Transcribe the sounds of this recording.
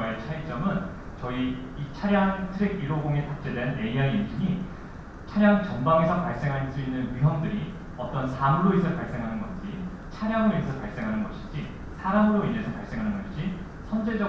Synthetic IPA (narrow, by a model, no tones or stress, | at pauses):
et͡ɕʰait͡ɕ͈ʌmɯn | t͡ɕʌi | it͡ɕʰaɾjaŋtʰɯɾeɡiɾoɡoŋitak̚t͡ɕ͈edwenje̞iɦaimd͡ʑiɲi | t͡ɕʰaɾjaŋt͡ɕʌnbaŋe̞sʰʌpaɭs͈e̞ŋɦas͈uinːɯnɥuɦjʌŋdɯɾi | ʌt͈ʌnsʰamɯɾoisʰʌɭpaɭs͈e̞ŋɦanɯnɡʌnd͡ʑi | t͡ɕʰaɾjaŋɯɾoisʰʌpaɭs͈e̞ŋɦanɯnɡʌɕʰi̥d͡ʑi | sʰaɾamɯɾoine̞sʰʌpaɭs͈e̞ŋɦanɯnɡʌɕʰid͡ʑi | sʰʌnd͡ʑe̞d͡ʑʌ